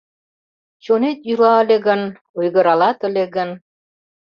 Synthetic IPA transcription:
t͡ɕonet̪ylɑəlʲeɣən | ujɣə̆ɾɑlɑt̪əlʲeɣən

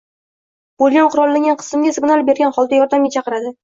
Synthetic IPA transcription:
b̥olˠɡʲanqʰʊɾɒlˠːaŋʲanqʰɨ̥sɪmɡʲasɪɡʲnalˠbe̞ɾɡʲanχɒlˠd̪ajɒɾd̪amɡʲat͡ʃʰɑqɨɾad̪ɪ

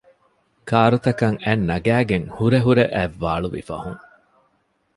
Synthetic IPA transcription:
kaːɾut̪ɐkɐŋænːɐɡæːɡeŋhuɾeɦuɾeʔæʋːaːɭuʋḭfɐ̰huŋ

